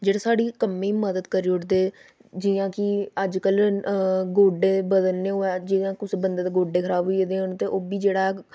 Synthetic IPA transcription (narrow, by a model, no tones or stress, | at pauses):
d͡ʒeːɽaːsaːɽiːkəmiːməd̪əd̪kəɾiːʊʈd̪eː | d͡ʒɪjãːkɪəd͡ʒkəl | ɡoːɖeːbəd̪əlneːɦoːɛːd͡ʒɪãːkʊsbənd̪eːt̪eɡoːɖeːkʰəɾaːbɦuied̪eːɦont̪eːʔoːbiːd͡ʒeːɽaːɛː